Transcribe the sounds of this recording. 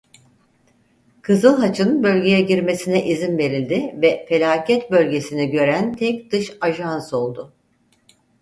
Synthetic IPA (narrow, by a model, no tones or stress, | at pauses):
kʰɯzɯlˠɦat͡ʃʰɯnbø̞lʲɟe̞jɛɟiɾme̞sinɛʔizinbe̞ɾilʲd̪ɪvɛfe̞lʲaːcʰɛt̪bø̞lʲɟe̞siniɟø̞ɾænt̪ʰɛc̚d̪̥ɯʃaʒanso̞lˠd̪ʊ